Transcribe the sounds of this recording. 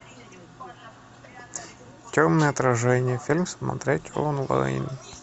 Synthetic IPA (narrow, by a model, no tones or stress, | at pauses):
t̪ʲomnəjəɐt̪ɾɐʐɛnʲɪjəfʲilʲmsmɐ̰t̪ɾʲetʲo̰nlˠɐ̰ḭnʲɪ